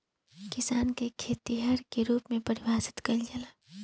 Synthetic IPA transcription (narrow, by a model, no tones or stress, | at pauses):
kɪsaːnkekʰeːt̪iɦɐɾkeɾuːpmẽpəɾɪwaːsɪ̥t̪kəld͡ʒɐla